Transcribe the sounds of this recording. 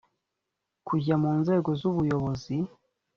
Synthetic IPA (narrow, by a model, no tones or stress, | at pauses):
kʰuɟamuːnze̞ːɡo̞zuβujo̞βo̞zi